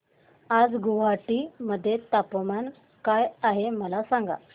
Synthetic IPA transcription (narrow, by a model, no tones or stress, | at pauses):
ad͡zɡuʋ̤aʈiməd̪ʱːjet̪apman | kajaɦeməlasaŋɡa̰